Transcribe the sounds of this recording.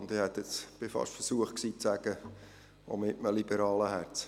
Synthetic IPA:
nd̪ɪhɛt̪ɛt͡sb̥ɪfɑ̰ʃtfəɾsuəχtksiːt͡sæɡ̥ə | ʋo̰mɪʔməlibəɾɑːləhæɾt͡s

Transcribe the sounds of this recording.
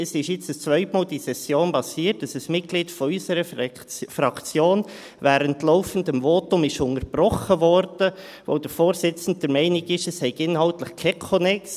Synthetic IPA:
əsɪʃjɪt͡səst͡sʋœʏtmɑːld̥isɛsjoːnbɑsiːətəsəsmɪt̚ɡ̥liːtfɔysəɾə | fɾɑkt͡sjoːn | væːɾəntlɔʊfən̩dəmvoːtʊmɪʃʊŋəɾb̥rɔχəvɔɾd̥ə | vʋo̰d̥əɾfoːɾsɪt͡sn̩t̚d̥əɾmɛɪnɪɡɪʃəshɛɪɡɪnhɑltləχkʰɛkʰonɛks

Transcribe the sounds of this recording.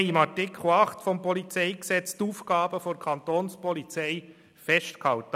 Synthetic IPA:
ɪmɑɹtɪkʰll̩ɑχtfɔmpʰɔlit͡seɪɡsɛt͡stuːfɡɑːbəfɔnkʰɑntoːnspɔlit͡sæɪ | fɛstkhɑʊt

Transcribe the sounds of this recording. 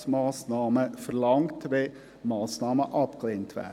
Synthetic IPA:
smɑːsnɑːməfəɾlɑŋtʋe | mɑːsnɑːməʔɑpɡ̥əlent̪ʰʋæ̰

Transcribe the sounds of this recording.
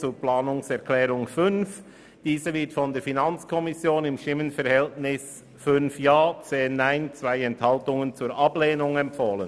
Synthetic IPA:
t͡suːplaːnʊŋsɛɐkʰlɛːʁʊŋfʏnf | d̥iːzəvɪɐtfɔndeːfinɑnt͡skʰɔmɪsjoːnɪmʃtɪmənfɛʁhɛltnɪs | fʏnfjaːt͡seːnːaɪnt͡sv̥aɪɛnthɑltʊŋənt͡suːɾʔɑbleːnʊŋɛmpfoːlən

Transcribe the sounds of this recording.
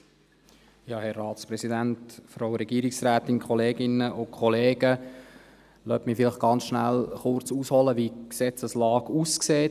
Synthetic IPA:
jɑːhɛrːɑːtt͡spɾɛsid̪æntfɾowɾɛɡ̥iːɾɪksɾæːt̪ɪnkχɔleːɡɪnəʔʊkʰχɔleːɡə | lœ̰tmɪfɪlɪχɡ̥ɑnt͡sʃnælχʊɾt͡suːshɔləʋiksɛt͡səslɑːɡ̥uːskseː

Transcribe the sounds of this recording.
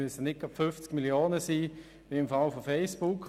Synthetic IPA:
yəsənɪk̚ɡ̥ɑpfʏft͡skmiljoːnəsiː | ʋiɪmfalfofɛɪsb̥ʊkʰ

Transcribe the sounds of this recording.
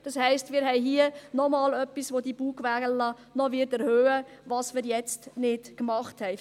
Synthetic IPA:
d̥ɑshɛɪstmɪːɾɦɛɪɦiənɔmɑːlœpːisʋodib̥uːkʋæːɡənlɑ | nɔʋɪɾtɛɾhøːəʋɑːsmɪːɾjɛt͡stnɪtkmɑχthɛɪ

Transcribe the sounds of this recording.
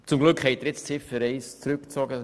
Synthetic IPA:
t͡sʊmɡlʉkχhɛɪtəɾɪt͡st͡sɪfəɾeɪst͡sɾʉkt͡sɑɡə

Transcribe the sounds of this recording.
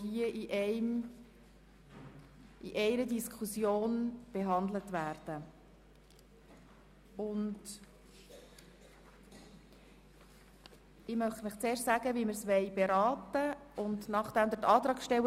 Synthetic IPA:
iəʔiʔɛɪm | ʔḭʔɛɪɾədiskʰusjoːnb̥eɦɑnd̪lətvæːɾd̥ə | ʊnd | ɪmœχtmɪχt͡seːɾʃtsæɡəʋimɪɾsʋɛɪbeɾɑːtəʔʊndnɑχd̥ɛmd̪ətɑːt̪ɾɑːkʃtɛwə

